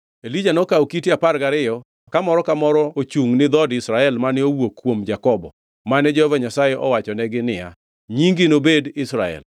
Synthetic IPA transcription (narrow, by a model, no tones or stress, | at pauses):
elid͡ʒanokawokitiaparɡaɾɪjɔ | kamɔɾɔkamɔɾɔot͡ʃuŋnɪd̪ɔdɪsɾaɛlmanɪowokːwomd͡ʒakɔbɔ̰ | manɛd͡ʒɛhɔvaɲasajɛʔɔwat͡ʃɔnɛɡɪnɪja̰ | ɲiŋɡɪnobedɪsɾa̰ɛ̰l